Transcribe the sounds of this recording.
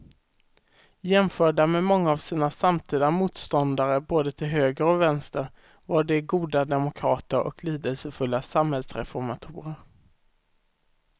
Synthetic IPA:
jɛmfœːɖamɛmɔŋːaːvsiːnasamt̪ʰiːd̪amuːt̪st̪ɔnd̪aɾəboːd̪ət̪ʰɪlɦøːɡəɾɔvɛnst̪əɾ | vaɖɛɡuːd̪ad̪ɛmʊkʰɾɑːt̪əɾʔɔ̰kʰliːd̪əlsəfɵlːasamhɛlsɾɛfɔɾmat̪ʰuːɾəɾ

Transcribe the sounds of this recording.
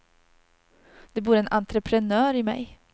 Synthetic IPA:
d̪̥ɛbuːɾɛnʔant̪ɾəpʰɾɛnœːɾɪmɛ̰j

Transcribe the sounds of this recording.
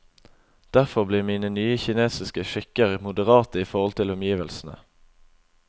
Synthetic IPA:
d̪̥æʁfɔʁbliːʁmiːnənyːəçɪneːsɪskəʃɪkəʁəmʊd̪əʁɑːt̪əiːfɔʁɔlt̪ʰɪlʊmjiːʋəlsn̩ə̰

